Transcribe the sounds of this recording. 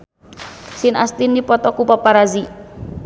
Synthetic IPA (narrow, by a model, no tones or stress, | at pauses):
sɪnast̪inipɔt̪ɔkupapaɾazi